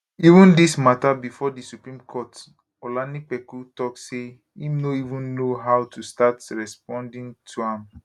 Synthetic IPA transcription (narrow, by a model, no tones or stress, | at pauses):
ivũndismatabifɔdisupɹĩmkʰɔt | ɔlanipɛkutɔk̚se | imnoivũnːoɦaʊtustatɹɛsp̚ɔ̃ndĩŋtʰuãm